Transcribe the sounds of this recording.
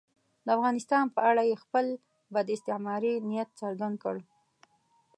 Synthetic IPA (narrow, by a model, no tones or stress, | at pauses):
d̪əafɣɑnɪst̪ɑnpəʔaɽajexpəl | bad̪ɪst̪ɪʕmɑɾinijat̪̚səɾɡand̪̚kəɽ